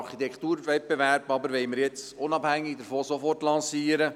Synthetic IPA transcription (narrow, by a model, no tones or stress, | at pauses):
ɾχit̪ɛkt̪uːɾʋɛt̚beʋæɾbɑbəɾʋɛɪməɾjɛt͡sʊnɑbhæŋːɪɡ̚d̪əɾfoːsofɔrtlɑ̃nsiːəɾə